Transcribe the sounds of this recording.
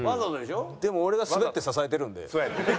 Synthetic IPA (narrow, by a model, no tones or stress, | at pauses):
mazat̪od̪eɕod̪e̞mo̞ːɾe̞ɡasɨbet̪ːesasaet̪e̞ɾɯ̟̃nd̪e̞̰soat̪ː